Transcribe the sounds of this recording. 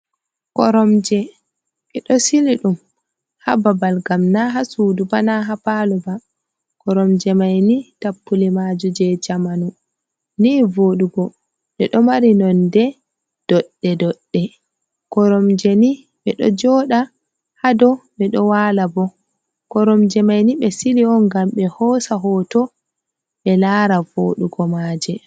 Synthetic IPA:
kɔ̰ɾɔmd͡ʒɛ | ɛɗɔsiliɗum | hababalɡamnaɦasuːdubanaɦapalɔba | kɔɾɔmd͡ʒɛmajnitapːulimad͡ʒud͡ʒɛd͡ʒamanu | niːvoɗuɡɔ | ɗɛɗɔmaɾinɔndɛ | d̥ɔɗːɛdɔɗːɛ | kɔɾɔmd͡ʒeni | ɓɛɗɔ̰d͡ʒɔːɗa | hadɔɓɛɗɔwaːlabɔ | kɔɾɔmd͡ʒɛmajniɓɛsiliɔnɡamɓɛhɔsaɦɔtɔ | ɓɛlaɾavo̰ːɗuɡɔmad͡ʒɛ

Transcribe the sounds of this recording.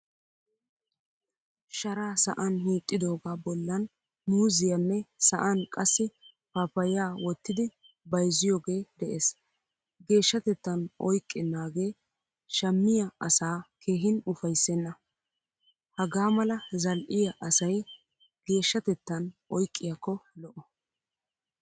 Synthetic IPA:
ʃɐɾaːsɐ̰ʔɐnhiːt̪ʼːɪd̪o̞ːɡaːbɔlːɐn | muːzɪjɐnːɛsɐʔɐnkʼɐsːɪ | papɐjaːwɔt̪ːɪd̪ɪ | bɐjzɪjoːɡe̞ːd̪ɛʔeːs | ɡe̞ːʃːɐt̪ɛt̪ːɐnʔɔ̰jkʼːɪnːaːɡe̞ː | ʃɐmːɪjɐɐsaːkʰeːɦɪnʊfɐjsːɛnːɐ | hɐɡaːmɐlɐzɐlʔɪjɐʔɐsɐj | ɡ̥e̞ːʃːɐt̪ɛt̪ːɐnʔɔjkʼːɪjɐkːɔlɔʔɔ

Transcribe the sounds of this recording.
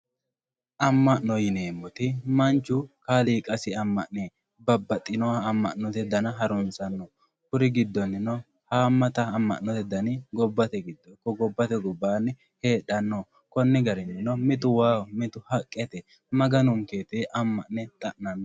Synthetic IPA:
ʔɐmːɐʔnɔjɪneːmːɔt̪ɪmɐnt͡ʃːʊkaːliːkʼɐsɪɐmːɐʔneː | bɐbːɐt̪ʼːɪnɔːmːɐ̰ʔnɔt̪ɛd̪ɐnɐɦɐɾʊnsʼɐnːɔ | kʊɾɪɡɪd̪ːɔnːɪnɔ | haːmːɐt̪ɐːmːɐ̰ʔnːɔt̪ɛd̪ɐnɪɡɔbːɐt̪ɛɡɪd̪ːɔkɔɡɔbːɐt̪ɛɡɔbːaːnːɪ | he̞ːɗɐnːɔ | kɔnːɪɡɐɾɛnːɪnɔmɪt̪ʊwaːɔmɪt̪ʊhɐkʼːɛt̪ɛ | mɐɡɐnʊŋkeːt̪eʔɐmːɐʔnɛt̪ʼɐʔnɐnːɔ

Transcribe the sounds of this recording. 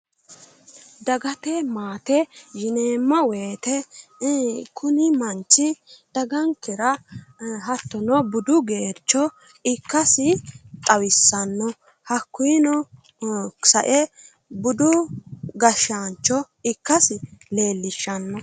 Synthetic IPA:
d̪ɐɡɐt̪ɛmaːt̪ɛʒɪneːmːɐwe̞ːt̪ɛ | kʰʊnɪmɐnt͡ʃːɪd̪̥ɐɡɐŋkɛɾɐ | ɦɐt̪ːɔnɔbʊd̪ʊɡeːɾt͡ʃːɔ | ɪkːɐsɪt̪ʼɐwɪsːɐnːɔ | hɐkːʊjnɔ | sɐʔɛ | bʊd̪ʊɡɐʃaːnt͡ʃːɔ | ɪkːɐsɪle̞ːlːɪʃːɐnːɔ

